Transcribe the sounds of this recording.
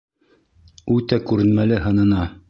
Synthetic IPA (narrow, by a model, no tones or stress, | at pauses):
ʉt̪ækʉɾɘ̆nmælɘɦɤ̆nɤ̆nɑ